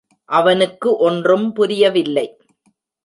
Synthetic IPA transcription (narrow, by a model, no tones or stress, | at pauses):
ʔɐʋɐnɯkːɯʔɔndrɯmpʊɾɪjɐʋɪlːɐɪ